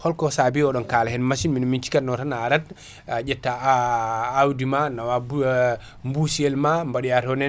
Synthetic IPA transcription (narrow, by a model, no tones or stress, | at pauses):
hɔlkɔsabiɔɗɔnkalahɛnmaʃinminmint͡ʃi̥katnɔtanaːɾat | d͡ʒɛtːaː | wdimanawa | mbusiɛlmambaɗiaɾɔnɛ